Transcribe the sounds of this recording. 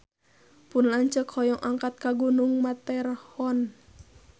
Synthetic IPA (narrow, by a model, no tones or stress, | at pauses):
punlaɲt͡ʃəkhɔjɔŋʔaŋkat̪̚kaɡunuŋmat̪ɛrhɔn